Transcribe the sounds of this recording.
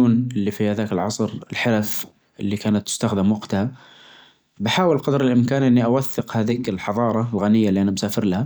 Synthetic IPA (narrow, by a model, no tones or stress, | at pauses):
uːnʔɪlːifihaðaːkɪlʕɑsˤɾɪlħalaf | ʔɪlːikaːnat̪ːʊ̥st̪axd̪ɪmwaqt̪aha | bɪħaːwɪlqɑd̪ɾɪlʔɪmkaːnʔɪnːiʔawaθːɪqhaːðiːkɪlħɑðˤɑːɾˤɑlɣanɪjːalːiʔanambsaːfɪɾlaha